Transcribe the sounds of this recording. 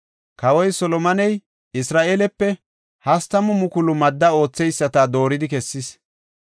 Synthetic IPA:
kɐwɔjsɔlɔmɐnɛj | ɪsɾaːʔeːlɛpːɛ | hɐst̪ɐmʊmʊkʊlʊmɐd̪ːɐo̞ːt͡sːɛjsːɐt̪aːd̪o̞ːɾɪd̪ɪkɛsːɪs

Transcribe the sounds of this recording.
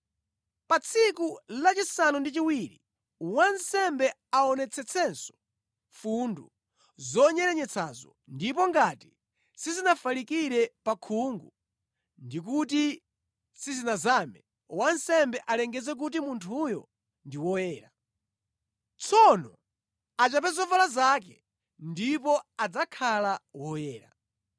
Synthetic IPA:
pat͡sʰikulat͡ʃisanundit͡ʃiwiɾi | wansɛmbɛ | aɔnɛt͡sʰɛt͡sʰɛnsɔ̥ | fundu | zɔɲɛɾɛɲɛt͡sʰazɔ | ndipɔŋɡati | sizinafalikiɾɛpakʰuŋɡu | ndikuti | sizinazamɛ | wansɛmbɛʔalɛŋɡɛzɛk̬ut̬imuntʰujɔ̰ | ndiwɔjɛːɾa | t͡sʰɔnɔ | at͡ʃap̬ɛzɔvalazak̬ɛ | ndipɔad͡zakʰalawɔjɛːɾa̰

